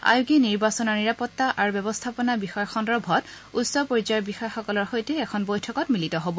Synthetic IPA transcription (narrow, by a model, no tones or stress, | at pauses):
a̰juɡiniɹbasɔnaɹniɹapɔtːaʔaɹbɛbɔst̪ʰapɔnabixɔjɔxɔndɹɔbʱɔt | usɔpoɹid͡ʒɔjɔbixɔjxɔkɔlɔɹxojtɛːkʰɔnbojtʰɔkɔtmilitɔɦobɔ